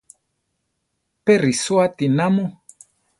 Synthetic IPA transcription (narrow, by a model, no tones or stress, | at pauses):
pɛɾiswatinamo